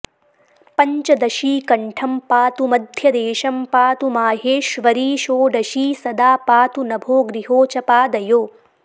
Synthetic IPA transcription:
pɐɲt͡ʃɐd̪ɐʃiːkɐɳʈʰɐmpaːt̪umɐd̪ʱjɐd̪eːʃɐmpaːt̪umaːɦeːʃʋɐɾiːʃoːɖɐʃiːsɐd̪aːpaːt̪unɐbʱoːɡɾiɦoːt͡ʃɐpaːd̪ɐjoː

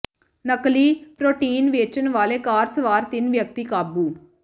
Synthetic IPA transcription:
nəkliːpɾoːʈiːnʋeːt͡ʃənʋaːleːkaːɾsəʋaːɾt̪ɪnʋjək̚t̪ikaːbuː

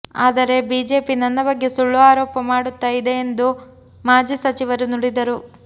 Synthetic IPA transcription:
aːd̪ɐɾe̞biːd͡ʒe̞ːpinɐnːɐbɐɡːe̞suɭːuaːɾɔːpɐmaːɽut̪ːaːjid̪e̞ːnd̪u | maːd͡ʒiːsɐt͡ʃiʋɐɾunuɽid̪ɐɾu

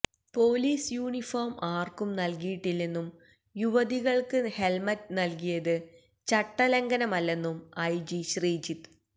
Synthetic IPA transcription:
po̞ːliːsjuːɳifoːrmaːrkumnɐlkijiʈːilːenːum | juʋɐðiɣɐɭkɨhe̞lmɐtːɨnɐlkijɐðɨ | t͡ɕɐʈːɐleŋɡɐnɐmɐlːe̞nːumɐjd͡ʑiɕriːd͡ʑit̪ː

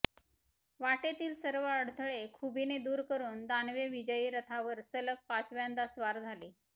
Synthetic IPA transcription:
ʋaʈet̪iːlsəɾʋəəɽt̪ʰəɭekʰubined̪uːɾkəɾuːnd̪anʋeʋid͡ʑəjiːɾət̪ʰaʋəɾsələk̚pat͡sʋjand̪asʋaɾd͡zʱaliː

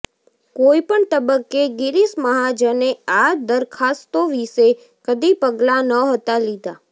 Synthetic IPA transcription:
koipəɳt̪əbəkːeɡɪɾisməɦad͡ʒənead̪əɾkʰast̪oʋise | kəd̪ipəɡlanəɦət̪alid̪a

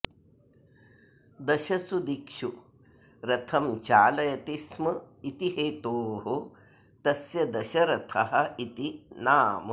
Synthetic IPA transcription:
d̪ɐʃɐsud̪ikʂu | ɾɐt̪ʰɐmt͡ʃaːlɐjɐt̪ismɐit̪iɦeːt̪oːɦo | t̪ɐsjɐd̪ɐʃɐɾɐt̪ʰɐɦɐit̪inaːm

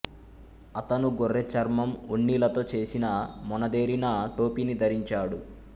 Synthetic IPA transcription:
ɐt̪ɐnuɡorːet͡ʃɐɾmɐmuɳːiːlɐt̪o̞ːt͡ʃe̞ːsinɐmɔnɐd̪e̞ːɾinɐʈo̞ːpinid̪ʱɐɾiɲt͡ʃaːɽu

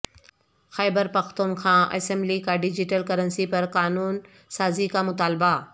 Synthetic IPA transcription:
xɛːbəɾpɐxt̪uːnkʰãːʔɐ̰sɛmblikaɖɪd͡ʑɪʈəlkɐɾənsipɐɾkaːnuːn | saːzikamʊt̪aːlba

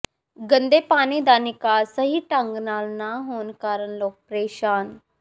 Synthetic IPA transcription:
ɡɐ̃nd̪epaːnid̪aːnikasɐɦiʈə̃ŋɡnaːlnaɦoːnkaːɾənloːk̚pɾeːʃaːn

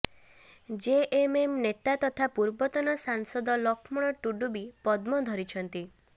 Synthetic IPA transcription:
d͡ʒeʔememnet̪at̪ɔt̪ʰapuɾbɔt̪ɔnɔsaŋsɔd̪ɔlɔkʰmɔɽ̃ɔʈuɖubipɔd̪mɔd̪ʱɔɾit͡ʃʰɔnt̪i

